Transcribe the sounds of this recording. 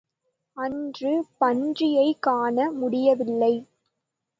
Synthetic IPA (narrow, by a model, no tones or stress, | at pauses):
ɐndrɯpɐndrɪjɐɪkaːɳɐmʊɽɪjɐʋɪlːɐɪ